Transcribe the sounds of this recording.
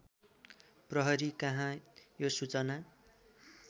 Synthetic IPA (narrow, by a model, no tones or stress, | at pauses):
prʌɦʌɾikʌɦãjosut͡sʌna